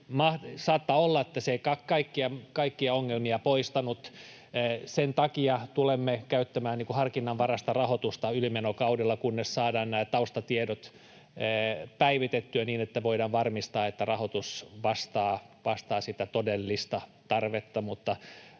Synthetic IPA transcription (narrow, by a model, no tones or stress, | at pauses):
mɑhsɑːt̪ːɑolːɑet̪ːæseikɑkɑikːiɑkɑikːiɑoŋːelmiɑpoist̪ɑnut̪ː | sent̪ɑkiɑt̪ulemːekæyt̪ːæmæːnniːŋkuhɑrkinːɑʋʋɑrɑst̪ɑrɑhot̪ust̪ɑylimenokɑudelːɑkunːessɑːdɑːnnæːt̪ɑust̪ɑt̪iedot̪ː | pæiʋit̪et̪ːyæniːnet̪ːæʋoidɑːʋʋɑrmist̪ɑːet̪ːærɑhot̪usʋɑst̪ɑːʋɑst̪ɑːsit̪æt̪odelːist̪ɑt̪ɑrʋet̪ːɑmut̪ːɑ